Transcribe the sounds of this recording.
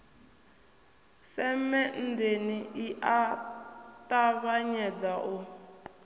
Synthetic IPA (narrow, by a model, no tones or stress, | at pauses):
sɛmɛndeniiʔa | taβaɲɛd͡zaʔu